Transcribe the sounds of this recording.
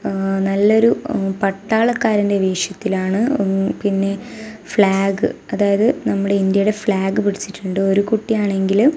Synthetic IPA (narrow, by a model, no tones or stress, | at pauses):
nɐlːo̞ɾupɐʈːaːɭɐkːaːɾindeʋeːʂjɐt̪ːilaːɳɨpinːe̞fɭaːɡɨɐðaːjɐðɨnɐmːuɽe̞ind̪jɐjuɽe̞fɭaːɡɨpiɽit͡ɕːiʈːuɳɖɨo̞ɾukuʈːijaːɳe̞ŋɡil